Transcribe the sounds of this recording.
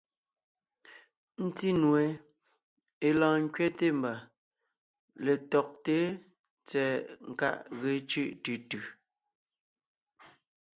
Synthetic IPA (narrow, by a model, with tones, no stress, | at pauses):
n̩˦ti˦nwe˨ | e˨lãː˨ŋ˦kɥɛ˦te˦m̩˨ba˨ | le˨tɔ˨k̚te˦ | t͡sɛ˨ŋ̩˨ka̰˦˨ʔɣe˨˦t͡ʃʉ˦ʔtʉ˨tʉ˨